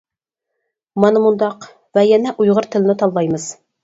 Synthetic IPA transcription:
mɑnɤmund̪ɑq | væjænæʔujʁɤɾt̪ɘ̆lnɘt̪ɑlˠːɑjmɤz

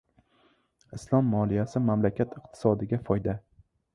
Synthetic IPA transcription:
ɪslˠɒmːɒlˠijasɪmamlakʲʰat̪ɪq̚t̪ʰɪ̥sɒd̪ɪɡʲafɒjd̪a

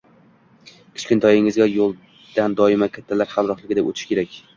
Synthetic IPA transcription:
kʲʰɪ̥t͡ʃkʲɪnt̪ʰɒjɪŋɪzɡʲajolˠ | d̪̥and̪ɒɪmakʲʰat̪ʰːalaɾhalɾɒχlɪɡʲɪd̪epot̪ʰɪ̥ʃkʲʰe̞ɾakʲ

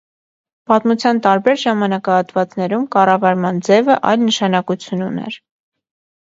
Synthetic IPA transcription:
pɑt̪mut͡sʰjɑnt̪ɑɾbɛɾʒɑmɑnɑkɑhɑt̪vɑt͡snɛɾumkɑrɑvɑɾmɑnd͡zɛvəʔɑ̰jlnəʃɑnɑkut͡sʰjununɛ̰ɾ

